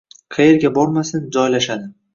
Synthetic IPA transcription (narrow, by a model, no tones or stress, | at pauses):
qʰɑjeɾɡʲabɒɾmasɪnd͡ʒɒjlaʃad̪ɪ